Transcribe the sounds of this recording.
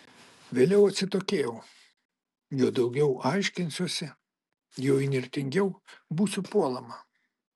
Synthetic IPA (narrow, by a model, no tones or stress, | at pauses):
ʋʲeːlʲɛʊɐt̪ʲsʲɪt̪oːkʲeːjɛʊ | juɔd̪ɒʊɡʲɛʊʔɑɪʃʲkʲɪnʲsʲuɔsʲɪ | jɛʊinʲɪɾʲt̪ʲɪŋʲɡʲɛʊbuːsʲʊpuɔlˠɐmɐ